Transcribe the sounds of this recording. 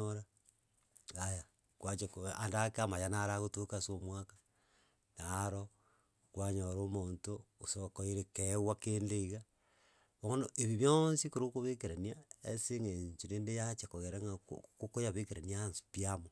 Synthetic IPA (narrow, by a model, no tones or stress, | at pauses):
oɾa | aja | kwat͡ʃakoandakamajanaɾaɣotokasomwakḁ | naɾo | kwaɲoɾomoːntoːsokoiɾekewakeːndeiɣa | βonoʔeβiβjonsikoɾokoβekeɾaniaeseŋeɲt͡ʃineːndejat͡ʃakoɣeɾaŋa̰kokojaβekeɾaniaːnsi̥piamo